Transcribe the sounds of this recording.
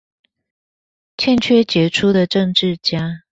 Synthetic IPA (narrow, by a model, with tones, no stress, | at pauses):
t͡ɕʰjɛ˥˨nt͡ɕʰɥɛ˥t͡ɕjɛ˧˥ʈ͡ʂʰu˥d̪ə˨ʈ͡ʂɤ˥˧ŋʈ͡ʂɻ̩˥˨t͡ɕja˥